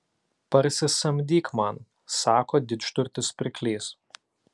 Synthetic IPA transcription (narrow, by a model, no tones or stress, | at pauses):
pɐɾʲsʲɪsɐmʲd̪ʲiːkmɐn | sɑːkoːd̪ʲɪʃt̪ʊɾʲt̪ʲɪspʲɾʲɪkʲlʲiːs